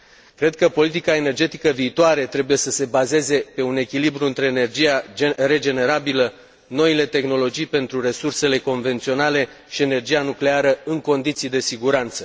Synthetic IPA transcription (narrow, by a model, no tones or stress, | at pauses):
kɾe̞d̪̚kəpo̞lit̪ikae̞ne̞rd͡ʒe̞t̪ikəviːt̪oaɾe̞t̪ɾe̞buje̞səse̞baze̞ze̞pe̞une̞kʲilibɾuɨnt̪ɾe̞nerd͡ʒijaɾe̞d͡ʒe̞ne̞ɾabilə | no̞ile̞t̪e̞xno̞lo̞d͡ʒijpe̞nt̪ɾure̞surse̞le̞ko̞nve̞nt̪sio̞nale̞ | ʃie̞ne̞rd͡ʒijanukle̞aɾəɨŋko̞nd̪it̪sijd̪e̞siɡuɾant̪sə